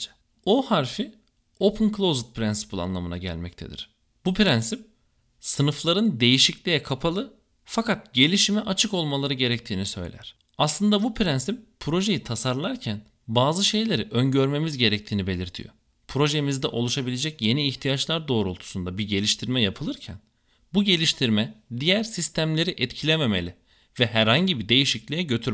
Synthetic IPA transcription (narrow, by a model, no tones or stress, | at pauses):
ohaɾfi | o̞pʰɯnkʰlˠozt̪̚pʰɾænsi̥pʰɯlˠa̰nlˠamɯna̰ɟæ̰lʲmɛc̚t̪ʰe̞̰d̪ḭɾ̥ | b̥upʰɾænsip̚ | sɯnɯflˠaɾɯnd̪e̞jiʃiclʲijɛkʰapʰalˠɯ | fakat̪̚ɟe̞lʲiʃimɛʔat͡ʃʰɯko̞lˠmalˠaɾɯɟe̞ɾɛct̪ʰiːnisø̞̰jlʲæ̰ɾ̥ | aslˠɯnd̪abupʰɾænsip̚ːʰɾo̞ʒe̞jit̪ʰasaɾlˠaɾcʰæn | baːzɯʃe̞jlʲe̞ɾiʔønɟø̞ɾme̞mizɟe̞ɾɛc̚t̪ʰiːnibe̞lʲiɾt̪ʰḭjo̰ | pʰɾo̞ʒemizd̪ɛʔo̞lˠuʃabilʲe̞d͡ʒɛcje̞niːçt̪ʰijat͡ʃlˠaɾd̪o̞ːɾolˠt̪ʰu̥sund̪abiɟe̞lʲiʃt̪ʰiɾmɛjapʰɯlˠɯɾcʰæ̰n | buɟe̞lʲiʃt̪ʰiɾmɛd̪ijæɾsist̪ʰæmlʲe̞ɾiʔɛt̪cʰilʲeme̞me̞̰lʲi | vɛhæɾhaɲɟibid̪e̞jiʃiclʲijɛɟø̞t̪ʰyɾ